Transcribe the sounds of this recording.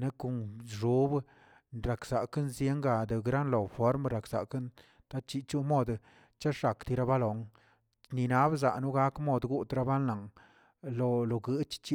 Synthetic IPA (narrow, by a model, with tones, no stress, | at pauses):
ne˦ku˧˨nʐu˨˦b | ɾa˨kz̥a˨ka˦nzje˦ŋɡa˧d̪e˨ɡɾa˦nlo˨fo˦ɾmɾa˨kz̥a̰˨ka˦n | t̪a˦t͡ʃi˧t͡ʃu˦mo˧d̪ | t͡ʃa˦ʂa˨kt̪i˧ɾa˧ba˦lo˨ŋ | ni˧na˦bza̰˨nu˦ɡa˦kmo˦d̪ɡu˦t̪ɾa˧ba˦na˨ŋ | lo˧lo˨ɡɨ˧˦t͡ʃt͡ʃi˦